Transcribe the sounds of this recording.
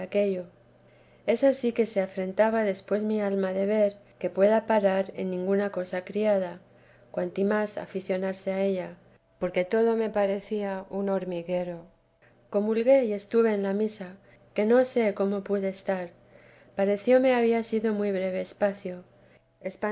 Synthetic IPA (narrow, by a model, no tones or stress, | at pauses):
ake̞ʝo̞ | e̞sasike̞se̞afɾe̞nt̪aβaðe̞spwe̞zmialmaðe̞βe̞ɾke̞pwe̞ðapaɾaɾe̞̰nːĩŋɡunako̞sakɾiað̞a | kwant̪imasa̰fiθjo̞naɾse̞ae̞ʎa | po̞ɾke̞t̪o̞ð̞o̞me̞paɾe̞θiauno̞ɾmiɣe̞ɾo̞ | ko̞mulɣe̞ie̞st̪uβe̞ːnlamisa | ke̞no̞se̞ko̞mo̞puðe̞ːst̪aɾ | paɾe̞θjo̞me̞aβ̞iasiðo̞mwijβɾe̞β̞eːspaθjo̞ | espa